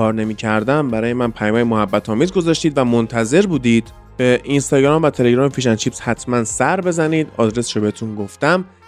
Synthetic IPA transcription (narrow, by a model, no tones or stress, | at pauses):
ɒːɾne̞miːcʰæɾd̪æmbæɾɒːjemænpʰæjɒːmæjemohæbːæt̪ʰɒːmiːzɡo̞zɒːʃt̪iːd̪væmont̪ʰæze̞ɾbuːd̪iːd̪̥ | b̥eʔinst̪ɒːɟɾɒːmvæt̪ʰele̞ɡɾɒːmepʰiːʃ̬ænt͡ʃʰiːpshæt̪ʰmænsæɾbe̞zæniːd̪ɒ̰d̪ɾe̞sʃobehet̪ʰunɡoft̪æm